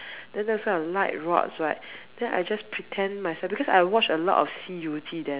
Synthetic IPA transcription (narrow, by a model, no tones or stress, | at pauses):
d̥ɛ̃ndɛwɔsɡɔ̃nəlaɪt̚ɹɔ̰tsɹaɪtd̥ɛ̃na̰jd͡ʒaspʰɹitʰɛ̃nmaɪjsɛlfbikɔsaɪwɔt͡ʃəlɔ̰tɔ̰fsijutʰidɛ̃